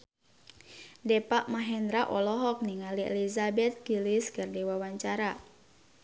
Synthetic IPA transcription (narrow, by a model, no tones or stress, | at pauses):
dɛpaʔmaɦɛnd̪ɾaʔɔlɔɦɔk̚niŋaliḛlizabɛt̪̚ɡiliskərdiwawaɲt͡ʃaɾa